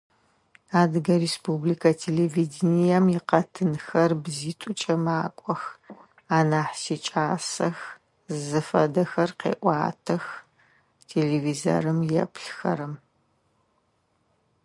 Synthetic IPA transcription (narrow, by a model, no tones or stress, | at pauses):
aːdɨɡɐɾespʰublikʰɐtʰeːlevidnijɐmjɪqɐtʰɨnxɐrbziːtʷʼʊt͡ʃʼɐmaːkʷʼɔx | aːnaːħsiːt͡ʃʼaːsɐx | zɨfɐdɐxɐrqḛːʔʷʼɑ̰ːtʰɐx | tʰeːleːviːzɐ̰ɾɨmjɛ̰pʰɬxɐ̰ɾɐm